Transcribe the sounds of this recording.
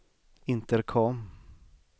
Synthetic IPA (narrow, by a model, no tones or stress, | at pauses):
ɪnt̪ɛɾkʰɔm